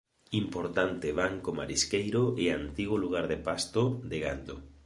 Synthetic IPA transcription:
impoɾt̪ant̪ɪβaŋkoma̰ɾiskejɾoɪant̪iɣoluɣ̞aɾðepast̪od̪eɣa̰nd̪o

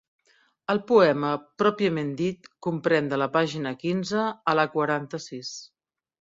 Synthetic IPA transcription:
əlˠpuɛməpɾɔpiəmend̪it̪kumpɾɛnd̪ələpaʒinəkinzəːləkwəɾant̪əsis

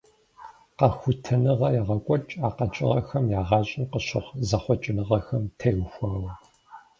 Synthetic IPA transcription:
qɐxʷʊtʰɐnɨʁɐjɛʁɐkʷʼɔt͡ʃʼaːqɐt͡ʃʼɪ̰ʁɐ̰xɐmjaːʁɑːɕʼɪnqəɕɪʁzɐχʷɔt͡ʃʼɪnɨʁɐxɐmtʰewxʷɐwɐ

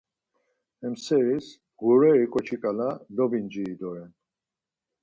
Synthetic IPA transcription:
ɛmsɛɾis | ɡuɾɛɾikʼɔt͡ʃʰikʼalad̪ɔbind͡ʒiːd̪ɔɾɛn

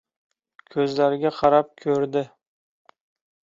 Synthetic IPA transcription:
kʲʰɵzlaɾɪɡʲaqʰɑɾap̚kʲʰɵɾd̪ɪ

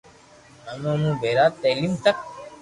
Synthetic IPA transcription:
ənõnũːbʱeːɾaːt̪ːɛːliːmt̪ək̚

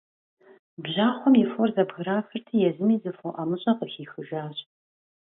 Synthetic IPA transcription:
bʑaːχʷɔmjɛforzɐbɣɨɾaːxɨrtʰiːjɛzɨmiːzɨfoʔamɨɕʼɐqəxiːxɨʒaːɕ

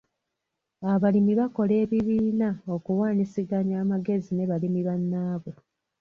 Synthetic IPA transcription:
aβalimiβako̞le̞ːβiβiːnaokuwaːnisiɡaɲaːmaɡe̞zine̞βalimiβanːaːβe

